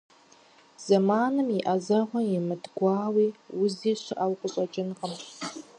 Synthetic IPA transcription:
z̥ɐmaːnɨmjɪʔɐzɐʁʷɐjɪmɨdɡʷɑːwiːwʊziːɕɪʔawqʷʼʊɕʼɐt͡ʃʼɪnʁəm

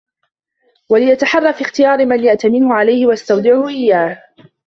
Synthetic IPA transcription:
walɪjat̪aħɑrˤːɑfiːxt̪ɪjɑːɾɪmanjaʔt̪amɪnhʊʕalajhɪwaʔast̪awd̪ˤɪʕʊhʊʔɪjːaːh

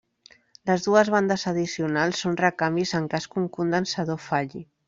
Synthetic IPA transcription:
ləzðuəzβ̞and̪əzəðisiunalˠsːonrəkambizəŋkaskuŋkund̪ənsaðofaʎi

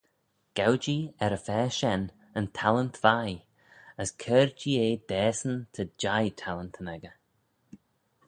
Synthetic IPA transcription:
ɡ̥awd͡ʒiːɛɾəfɛːʃɛn | əntʰalənt̪vaj | əskʰɛːɹd͡ʒiːeːd̪ɛːsənt̪ʰəd͡ʒajt̪ʰalənt̪ʰənɛɡə

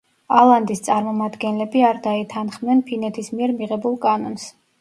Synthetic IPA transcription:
alˠand̪ist̪sʼaɾmɔmad̪ɡɛnlɛbiaɾd̪ait̪ʰanχmnɛnpʰinɛt̪ʰismiɛɾmiʁɛbulˠkʼanɔns

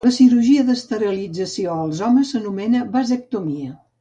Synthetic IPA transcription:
ləsiɾuʒiəðəst̪əɾəlid͡zəsioəlˠzɔməsːənumɛnəβazək̚t̪omiə

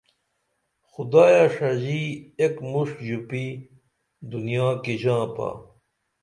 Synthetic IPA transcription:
xud̪aːjaʂɐd͡ʑiekmuʂkd͡ʑupi | d̪unijãːkid͡ʑãːpa̰

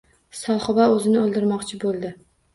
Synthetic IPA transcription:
sɒχɪbaɵzɪnɪolˠd̪ɪɾmɒqt͡ʃʰɪbolˠd̪ɪ

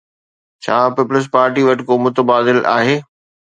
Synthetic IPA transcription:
t͡ɕʰaːpɪpʊləs̬paːɾʈiʋɐʈɪkomʊt̪əbaːd̪ɪla̰ːɦeː

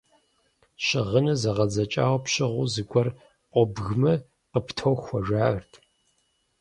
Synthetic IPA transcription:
ɕɪʁənɐzɐʁɐd͡zɐt͡ʃʼa̰ːwɐpɕɪʁʷʊzɨɡʷʼɔr | ʔʷʼɔbɣmɐ | qəptʰɐwxʷɔʒaːərtʰ

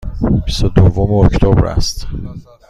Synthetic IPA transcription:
bist̪od̪ovːomeoct̪ʰobɾæ̰st̪

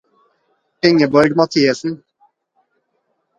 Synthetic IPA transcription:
ɪŋəbɔɾɡmɑt̪ʰiːəsn̩

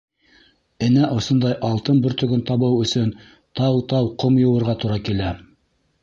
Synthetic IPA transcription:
ɘ̆næʔŏsond̪ɑjʔɑlˠt̪ɤnbɵɾt̪ɵ̆ɡɵnt̪ɑβɤwɵ̆sɵn | t̪ɑwt̪ɑwqomjŏwɤ̆ɾʁɑt̪uɾɑkilæ

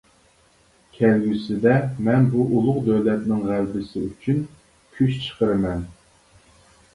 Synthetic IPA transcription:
kʲʰɛlɡʲysɪd̪ɛmɛnbuʔulˠʊʁd̪øwlɛt̪̚nɪŋʁælbɪsɪyt͡ʃʰyn | kʲʰyʃt͡ʃʰə̥qʰəɾɨmɛn

